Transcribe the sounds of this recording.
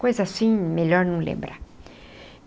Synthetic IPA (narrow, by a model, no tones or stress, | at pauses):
kojzasĩmeʎoɾnũlḛ̃mbɾa